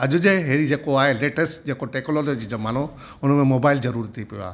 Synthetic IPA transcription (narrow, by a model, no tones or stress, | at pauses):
ɐʄʊd͡ʑeɦeːɾid͡ʑeːkoaːɦeleːʈəsʈd͡ʑeːkoʈeːkloːled͡ʑid͡ʑomaːno | ʊnə̆mẽmoːbaːɪlzɐɾuːɾit̪ʰipijo̰a̰ː